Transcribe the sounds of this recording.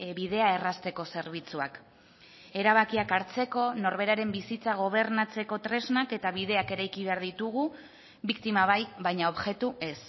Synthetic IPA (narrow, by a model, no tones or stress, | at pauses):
bið̞e̞ae̞rast̪e̞ko̞se̞ɾβ̞it͡suak | e̞ɾaβ̞akiakaɾt͡se̞ko̞no̞ɾβe̞ɾaɾe̞mbisit͡saɣ̞o̞β̞e̞ɾnat͡se̞ko̞t̪ɾe̞znake̞t̪aβiðe̞ake̞ɾajkiβe̞aɾðit̪uɣu | βikt̪imaβ̞ajβajɲao̞βʝe̞t̪ue̞s